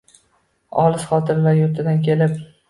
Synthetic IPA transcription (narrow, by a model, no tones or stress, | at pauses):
ɒlˠɪsχɒt̪ʰɪɾlaɾjoɾt̪ʰɪd̪ankʲʰe̞lɪp